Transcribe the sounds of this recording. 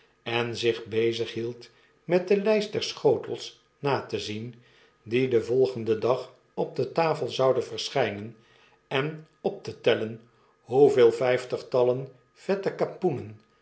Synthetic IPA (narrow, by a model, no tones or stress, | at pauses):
ɛnzɪχbejzəχɦilˠt | mɛt̚dəlɛjst̚dɛɹsχowtəlˠs | naːtəzin | didəvɔlˠχəndədɑχ | ɔb̚dətaːfəlˠzɑwdənvəɹsχɛjnən | ɛn | ɔp̚tətɛlən | ɦuveːlˠfɛjftəχtɑlən | v̥ɛtəkapunən